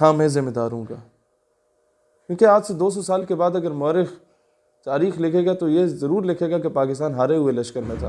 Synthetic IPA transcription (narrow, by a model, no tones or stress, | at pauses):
ɦãːmɛ̃ːzɪmːed̪aːɾɦũːɡaː | kjũːkeaːd͡ʒsed̪oːs̬ɔsaːlkebaːd̪ɐɡəɾmʊəɾɪx | t̪aːɾiːxlɪkʰeːɡat̪ojezɐɾuːɾlɪkʰeːɡakepaːkɪst̪aːnɦaːɾeɦʊelɐʃkəɾmẽt̪ʰa̰ː